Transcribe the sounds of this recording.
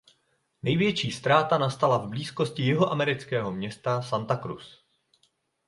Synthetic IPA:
nɛjvjɛt͡ʃiːst̪ɾaːt̪anast̪alavbliːsko̞scɪjɪɦoʔamɛɾɪt͡skɛːɦo̞mɲɛst̪asant̪akɾṵs

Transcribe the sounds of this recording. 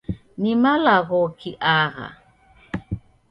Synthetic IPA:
nimalaɣokiʔaɣa̰

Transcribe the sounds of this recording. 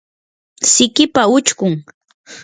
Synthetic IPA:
sɪkɪpaʊt͡ʃkʊŋ

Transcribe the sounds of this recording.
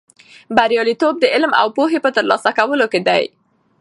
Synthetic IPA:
baɾjɑlit̪ob̚d̪əɪlma̰wpoɦepət̪əɾlɑsakawəloked̪a̰j

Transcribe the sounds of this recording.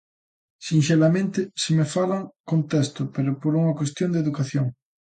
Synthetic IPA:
sinʃelamẽnt̪ɪsemefalaŋkõnt̪est̪ʊpeɾopoɾuŋakwest̪jõnd̪eðukaθjoŋ

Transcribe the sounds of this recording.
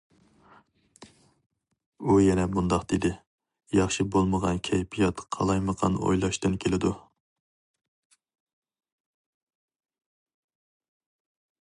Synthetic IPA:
ujɛnɛmund̪ɑqd̪̥ed̪ɪ | jɑχʃibolˠməʁɑnkʲʰɛjpʰijɑt̪qʰɑ̰lˠɑjməqʰɑ̰no̰jlˠɑʃt̪ɨnkʲʰelɪd̪u

